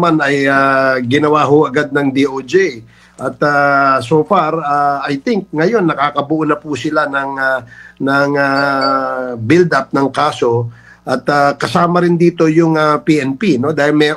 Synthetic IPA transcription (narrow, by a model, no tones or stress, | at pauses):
manɐjaɡɪnɐwaːɦoʔɐɡad̪̚nɐŋd̪iʔod͡ʒe | ʔɐt̪asoːfaɾaajt̪ɪŋk̚ŋɐjo̞nːɐkaːkɐbʊʔunɐpusɪlanɐŋanɐŋa | bɪld̪ap̚nɐŋkaːso̞ | ʔɐt̪akɐsaːmɐɾɪnd̪iːt̪o̞jʊŋɐpiʔɛnpino̞d̪aːhɪlmɛ